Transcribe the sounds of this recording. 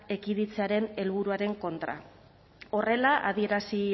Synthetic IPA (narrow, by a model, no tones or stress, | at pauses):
e̞kiðit͡seaɾe̞ne̞lβ̞uɾuaɾe̞ŋko̞nt̪ɾa̰ | o̞re̞laʔaðie̞ɾasi